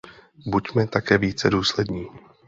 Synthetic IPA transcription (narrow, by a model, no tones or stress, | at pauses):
bucmɛt̪akɛːviːt͡sɛduːslɛdɲiː